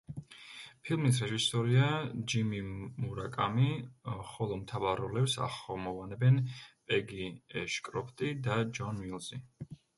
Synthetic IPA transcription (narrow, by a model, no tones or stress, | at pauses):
pʰilˠmis̬ɾɛʒisɔɾiad͡ʒimimuɾakʼamiχɔlˠɔmt̪ʰavaɾɔlɛpsa̰χɔmɔvanɛbɛnpʼɛɡiɛʃkʼɾɔpʰt̪ʼid̪ad͡ʒɔnwilˠzi